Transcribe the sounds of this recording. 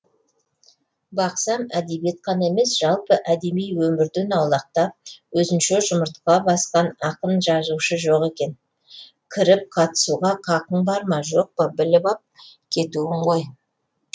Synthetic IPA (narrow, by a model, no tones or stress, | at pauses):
bɑqsɑmæd̪ebjet̪̚qʰɑne̞me̞sʒ̥ɑlˠpəʔæd̪e̞mijwɵmɪɾd̪enɑwlˠɑq̚t̪ɑwɵzɪnʃe̞ʒʊməɾt̪qɑbɑsqɑnɑqənʒɑzuʃəʒo̞qe̞kʲe̞n | kʲʰɪɾɪp̚qʰɑt̪ə̥suʁɑqʰɑqəɴbɑɾmɑʒo̞q̚pəbɪlɪbɑp̚kʲʰe̞t̪uwɪɴʁoj